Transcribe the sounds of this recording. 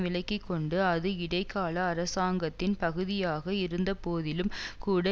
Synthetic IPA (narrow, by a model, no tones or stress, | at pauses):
ʋɪɭɐɪkːɪkːɔɳɖɯɐðɯɪɽɐɪkːaːlɐːɾɐsaːŋɡɐt̪ːɪnpɐɣɯðɪjaːɣɐɪɾɯnd̪ɐpoːðɪlɯmkuːɽɐ